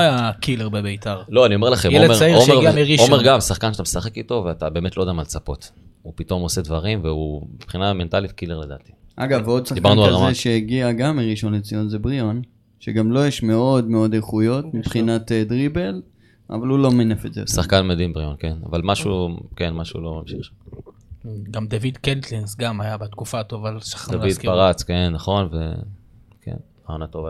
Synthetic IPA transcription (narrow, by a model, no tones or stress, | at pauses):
ajakileʁbebeitaʁlo̞anio̞melaχemjmaioeaiʁiomeʁɡamsaχkanʃat̪amesaχekit̪o̞veat̪abe̞emetlod̪amalt͡sapo̞t̪ | upit̪o̞mo̞sed̪vaʁimveubepχinament̪alit̪kileʁled̪a̰ːt̪i̥ʔa̰ɡavo̞d̪saikaʁnualʁazeʃeeɡiaɡamːiʁiʃo̞net͡sijonzebʁijo̞n | ʃeɡamlo̞jeʃme̞o̞d̪me̞o̞d̪eχujo̞t̪mipχinat̪ed̪ʁibe̞l | a̰valulo̞menefetzḛsaχkanmed̪imbʁionkena̰valmaʃukenmaʃṵlo̞mamʃiχ | ɡamd̪avid̪kent̪linsɡamajabat̪kufat̪o̞valsḁχd̪avid̪paʁat͡skenːaχo̞nve | kḛn | aonat̪ova